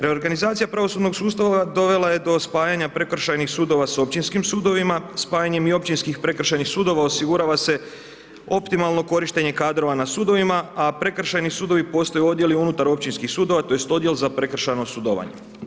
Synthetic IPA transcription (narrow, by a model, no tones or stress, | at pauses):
ɾe̞o̞ɾɡanizaːt̪sijapɾaʋo̞suːd̪no̞ɡsuːst̪aʋad̪o̞ʋe̞laje̞d̪o̞spaːjaɲapɾe̞kr̩ʃajnixsuːd̪o̞ʋaso̞p̚t͡ɕinskimsuːd̪o̞ʋimaspaːjaɲe̞mio̞pt͡ɕinskixpɾe̞kr̩ʃajnixsuːd̪o̞ʋaosiɡuɾaʋase̞ | o̞pt̪imalno̞ko̞ɾiʃt̪e̞ɲe̞kaːd̪ɾo̞ʋanasuːd̪o̞ʋimaapɾe̞kr̩ʃajnisuːd̪o̞ʋipo̞ːst̪ojuo̞d̪je̞liunut̪aɾo̞p̚t͡ɕinskixsuːd̪o̞ʋat̪o̞jest̪o̞d̪je̞lzapɾe̞kr̩ʃajno̞sud̪oʋa̰ɲe̞